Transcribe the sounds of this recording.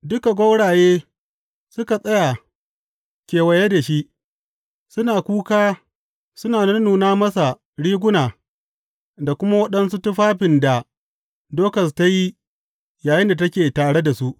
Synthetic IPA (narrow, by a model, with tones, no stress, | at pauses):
dʊ˦ka˨ɡʷo˦wɽaː˨jeː˦ | sʊ˦ka˨sʼɐ˦ja˨ | kʲeː˨wɐ˨je˦da˨ʃi˦ʔ | sʊ˦naː˨kʷuː˦kaː˦ | sʊ˦naː˨nɐ˦nnuː˨naː˦mɐ˦sa˨ | ɽiː˦ɡʷʊ˦naː˨ | da˨kʷʊ˦ma˦wɐ˦ɗɐ˦nsu˦tʊ˦ɸaː˦ɸɪ˨nda˨ | doː˦kɐ˨s̬ta˦ji˦ | jaː˨jɪ˦nda˨tɐ˦kʲeː˨taː˨ɽe˦da˨su˦ʔ